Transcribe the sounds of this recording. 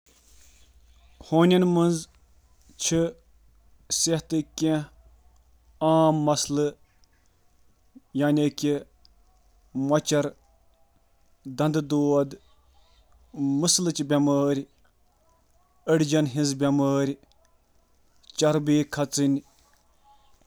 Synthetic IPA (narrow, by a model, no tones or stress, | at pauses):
hoːnʲɐnmɨnz | t͡ʃʰɨ | seht̪ɨkʲẽ | aːmːɐslɨ | jaːnʲekʲi | mɐt͡ʃɐɾ | d̪ɐnd̪ɨd̪oːɐd̪ | mɨslɨt͡ʃibʲɐməːɾʲ | əɽd͡ʒɐnɦĩnzbʲɐməːɾʲ | t͡ʃɐɾbiːkʰɐt͡sɨnʲ